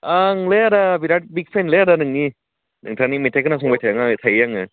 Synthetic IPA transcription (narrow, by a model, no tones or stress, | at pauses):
aŋleaɾabiɾat̚bik̚pʰenleaɾanɯŋni | nɯŋtʰanimitʰajkɯnas̬ɔŋbajtʰajaŋatʰajɯjaŋɯ